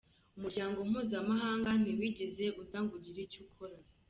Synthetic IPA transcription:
umuɾɟaːŋɡo̞m̥uːzamaɦaːŋɡan̥iwiːɟeze̞uzaːŋɡuɟiɾicukʰoɾa

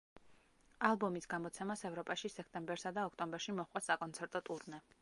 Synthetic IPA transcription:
alˠbɔmisɡamɔt̪sʰɛmasɛvɾɔpʼaʃisɛk̚ʰt̪ʼɛmbɛɾsad̪aɔkʰt̪ʼɔmbɛɾʃimɔχqʼasakʼɔnt̪sʰɛɾt̪ʼɔt̪ʼuɾnɛ

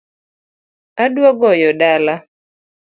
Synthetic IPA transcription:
adwɔɡɔjɔdala

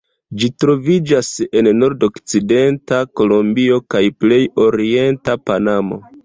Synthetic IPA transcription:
d͡ʒitɾo̞vid͡ʒase̞nno̞ɾdo̞kt͡side̞ntako̞lo̞mbio̞kajple̞jo̞ɾie̞ntapanamo̞̰

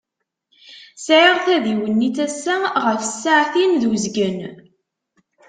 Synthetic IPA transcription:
sʕiʁθæðiwənːiθæsːæʁəfə̥sːaʕθinðuzɡən

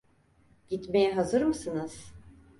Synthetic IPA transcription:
ɟ̥it̪me̞jɛɦazɯɾmɯsɯnɯz̥

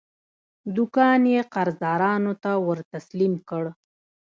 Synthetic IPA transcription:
d̪ʊkɑnjeqaɾzd̪ɑɾɑnot̪awəɾt̪aslimkəɽ

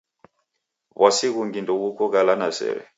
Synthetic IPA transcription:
βasiɣuŋɡindɔβukɔɣalanasɛ̰ɾɛ̰

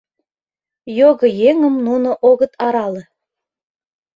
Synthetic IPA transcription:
joɣə̆jeŋə̆mnunŏʔoɣə̆t̪ɑɾɑlɤ̆

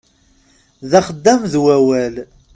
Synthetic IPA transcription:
ðæχəd̪ːæmðwæwæl

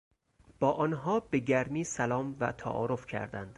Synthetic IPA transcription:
b̥ɒːʔɒːnɦɒːbe̞ɟæɾmiːsælɒːmvæ̰t̪ʰæ̰ʔɒ̰ːɾofcʰæ̰ɾd̪æ̰nd̪̥

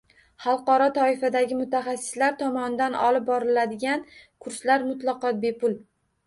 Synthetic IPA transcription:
χɑlˠqɒɾɒt̪ʰɒɪfad̪aɡʲɪmʊt̪ʰaχasːɪ̥slaɾt̪ʰɒmɒnɪd̪anɒ̰lɪp̚bɒɾɪlad̪ɪɡʲankʰʊɾslaɾmʊt̪lˠɑqɒt̪̚be̞pʊl

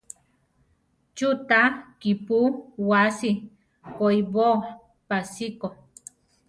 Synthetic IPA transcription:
t͡ʃut̪akipuwasi | koibo | pasiko

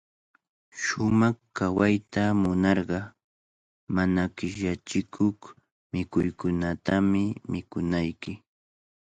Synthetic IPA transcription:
ʃʊmɑχkawajt̪amʊnɑɾɢɑ | manakɪʃat͡ʃɪkʰoχ | mɪkʊjkʊnat̪amɪmɪkʊnajkɪ

